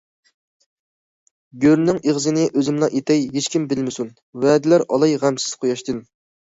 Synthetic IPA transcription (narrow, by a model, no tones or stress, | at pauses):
ɡʲøɾnɪŋeʁzɨnɪʔøzɪmnɑʔet̪ʰɛjɦet͡ʃkʲimbɪlmɪsun | vɛːd̪ɪlæɾɑ̰lˠɑjʁæmsɪ̥z̥qʰojɑʃt̪ɨn